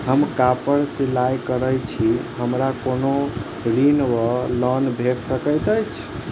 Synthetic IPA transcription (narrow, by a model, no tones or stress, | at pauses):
ɦəmkapəɾselajkəɾəjt͡ʃʰiɦəmɾakono | ɾinwəlɔnbʱeɽsəkəjt̪ət͡ʃʰ